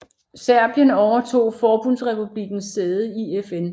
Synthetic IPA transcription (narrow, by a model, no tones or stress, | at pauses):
sæɐb̥jənɒʊɐt͡sʰo̝̰ːfɒːb̥unsʁɛpʰub̥liɡ̥n̩sdeːð̞ˠəiefen